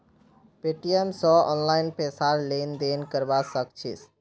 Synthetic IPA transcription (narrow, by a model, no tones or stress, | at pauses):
peʈiɛmsɔːɔ̰ːnlaɪnpesaɾleːnd̪eːnkəɾbasək̚t͡ʃʰis